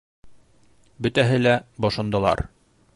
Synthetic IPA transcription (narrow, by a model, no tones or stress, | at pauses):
bɵ̆t̪æɦɘlæbɒʃŏnd̪ɑ̆lˠɑ̰ɾ